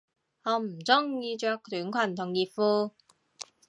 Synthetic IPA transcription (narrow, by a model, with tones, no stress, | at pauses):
hɔː˨˧m̩˨˩t͡sʊ˥ŋjiː˧t͡ʃœː˨˧˥k̚t̪yː˨˥nkʷʰɐ˨˩nt̪ʰʊ˨˩ŋjiː˨˧t̚fuː˧